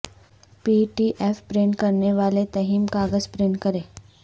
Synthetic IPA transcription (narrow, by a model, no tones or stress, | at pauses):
piːʈiːʔeːfpɾeːɳkɐɾneʋaːlet̪ɐɦiːmkaːɡəzpɾeːɳkɐɾeː